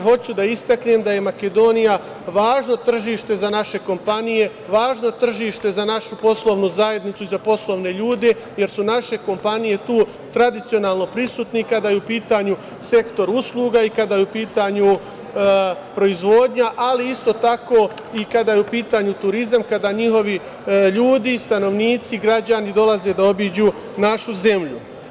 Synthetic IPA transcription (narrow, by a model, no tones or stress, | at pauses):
ɦo̞t͡ɕud̪aist̪aknemd̪aje̞make̞d̪o̞nija | ʋaːʒno̞t̪r̩ʒiːʃt̪e̞zanaʃe̞ko̞mpanije̞ | ʋaːʒno̞t̪r̩ʒiːʃt̪e̞zanaʃupo̞slˠo̞ʋnuzaje̞d̪nit̪suizapo̞slˠo̞ʋne̞ʎuːd̪e̞ | je̞ɾsunaʃe̞ko̞mpanije̞t̪uː | t̪ɾad̪it̪sio̞naːlˠno̞pɾisuːt̪nikad̪aːjeupiːt̪aɲu | se̞kt̪o̞ɾuslˠuːɡaikad̪aːjeupiːt̪aɲu | pɾo̞izʋo̞ːd̪ɲaʔaliist̪o̞t̪ako̞ | ikad̪aːjeupiːt̪aːɲut̪uɾizamkad̪aːɲiho̞ʋi | ʎuːd̪ist̪ano̞ʋniːt̪siɡɾad͡ʑanid̪o̞lˠaze̞d̪ao̞bid͡ʑu | naʃuze̞mʎu